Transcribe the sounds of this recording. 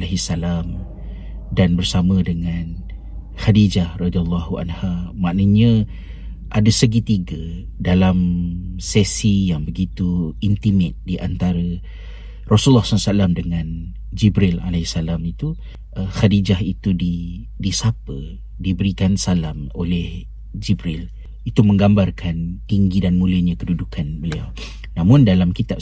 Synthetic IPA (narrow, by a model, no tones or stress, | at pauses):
alaɦisːalam | danbərsamə̃dəŋan | hadid͡ʒahrɔd̪ialːɔhuʔa̰nhamaʔnəɲə̃ | ʔadəsəɡit̪iɡə | dalamsɛsijaŋbəɡit̪uint̪imɪt̪̚diʔant̪aɾə | rɔsulːɔhsasalamdəŋãn | d͡ʒibɾila̰laisalamit̪u | əhadid͡ʒaɦit̪udi | disapə | dibəɾikansalamolɛh | d͡ʒibɾɪl | it̪umə̃ŋɡambarkʰant̪iŋɡidanmũləɲãkədudukʰanbəlia̰w | nãmʊ̃ndalamkit̪ap̚